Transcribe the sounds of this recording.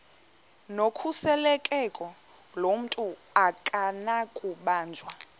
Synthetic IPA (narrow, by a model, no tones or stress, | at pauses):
nokʰusɛlɛkʼɛkʼɔ | lom̩tʼuakʼanakʼuɓaːnd͡ʒʱwa